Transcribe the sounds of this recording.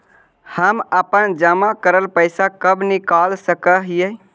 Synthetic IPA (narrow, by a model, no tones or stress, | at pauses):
həməpənd͡ʒəmakəɾəlpəɪsakəbnikalsəkəɦijə